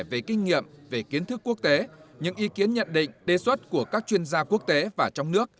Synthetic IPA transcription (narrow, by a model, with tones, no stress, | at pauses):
jve˨˩kï˧ŋ̟ŋḭ˧˨əmve˨˩ki˨˦ənt̪ʰɨ˦˥kːu˦˥ək̚t̪e˨˦ɲɨ̰˧˥ŋʔi˨˧˦ki˨˦ənɲə̰˧˨nɗḭ̈˧˨ŋ̟ɗe˨˩swə˦˥t̚ku˧˩əkaː˦˥k̚t͡ɕwi˧ənzaː˧ku˦˥ək̚t̪e˨˦vaː˨˩t͡ɕɔ˧wŋ͡mnɨ˦˥ək̚